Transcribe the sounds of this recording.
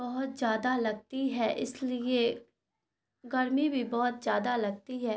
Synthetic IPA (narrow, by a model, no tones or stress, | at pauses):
bɐɦʊt̪zjaːd̪alɐɡ̚t̪iɦɛːʔɪslie | ɡɐɾmibʱibɔːʊt̪zjaːd̪alɐɡ̚t̪iɦɛː